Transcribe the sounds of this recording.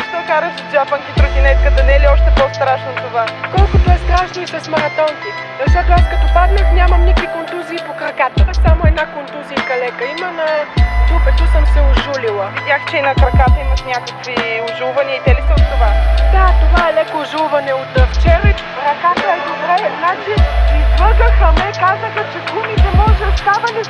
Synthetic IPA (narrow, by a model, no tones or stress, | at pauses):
t̪ɔkaɾəʃozʒapəŋkit̪ɾʊɡʲinɛt̪kəd̪ɐnɛliɔʃt̪ɛpɔst̪ɾaʃnot̪ovakɔlˠkʊt̪ʊɛst̪ɾaʃnoisɐsmɐɾɐt̪ɔnk̪i | zɐʃt̪ɔt̪oaskɐt̪opad̪nɛxnʲamɐmnʲikvikont̪uziːpokɾɐkat̪əksamoɛd̪nakont̪uzijɐkɐlɛkəimənɐɡ̪upɛt̪osəmsɛʊʒulilˠəvidʲjaxt͡ʃɛinɐkɾɐkat̪əimɐʃnʲakəkviʊʒulˠvɐniəid̪ɛlit̪ɛot̪ːovad̪at̪ovaɛlɛkoːʒulˠvɐnɛot̪ft͡ʃɛɾ | ɾɐkat̪əɛd̪obɾɛznat͡ʃiiaɡ̪əxəmɛkazəxət͡ʃɛɡlˠumit̪ɛmɔʒɛost̪avɐnɛ